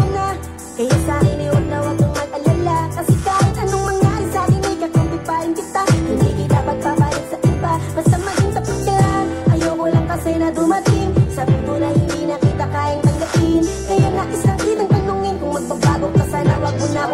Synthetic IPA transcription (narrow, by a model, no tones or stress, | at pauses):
na | kɐjasaːɾɪnɐjwɐɡ̚nɐwɐɡʊŋmɐɡʔɐlalakɐsɛkaːhɪt̪̚ʔɐnoŋmɐŋjaːʔɪŋsaːɾɪnɐjkɐt̪ompɪt̪̚paːʔɪŋkɪt̪ahɪnd̪ḭkɪt̪apɐɡ̚pabaːjɪsɐʔɪbab̥ɐst̪amɐɡɪnsɐpɐd̚k̪ɐaʔɐjokolɐŋkɐsɛnɐd̪ʊmɐt̪ɪŋsabɪk̪uɾɐhɪnd̪inɐkiːt̪ɐkaːʔɪŋt̪ɐŋɡɐpɪn | kɐjaŋaʔɪsɐŋkiːt̪ɐŋpɐnuŋɪnkʊŋmɐɡ̚pɐba̰ːɡokɐsaːnɐ̰wɐɡ̚ʊna